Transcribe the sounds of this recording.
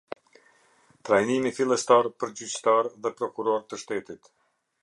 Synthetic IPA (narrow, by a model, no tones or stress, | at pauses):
t̪ɾajnimifilˠɛst̪aɾpəɾd͡ʑyt͡ɕt̪aɾðɛpɾɔkuɾɔɾt̪əʃt̪ɛt̪it̪